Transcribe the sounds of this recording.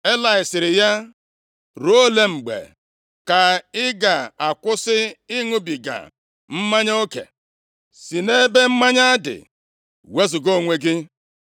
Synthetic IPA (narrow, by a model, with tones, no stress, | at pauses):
e˦la˨ɪ˨sɪ˨ɾɪ˨ja˦ | ɾo˦o˦le˦m̩˨ɡ͡bḛ˨ | ka˨ɪ˦ɡa˨a˨kʷʊ˦sɪ˦ɪ˦ŋʊ˦bi˨ɡa̰˨ | m̩˦ma˦ɲ˦o˦kḛ˨ | si˨ne˦be˦m̩˦ma˦ɲa˦a˦dɪ̰˨ | we˦zʊ˨ɡo˦˨ŋʷe˨ɡɪ˦